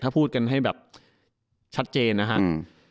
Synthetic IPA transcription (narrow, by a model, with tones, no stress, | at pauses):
aː˥˩pʰuː˥˩t̪̚ka˧nɦa˥˩jbɛː˨˩p̚ | t͡ɕʰa˦˥t̪̚t͡ɕeː˧nːa˦˥kʰa˦˥ʔ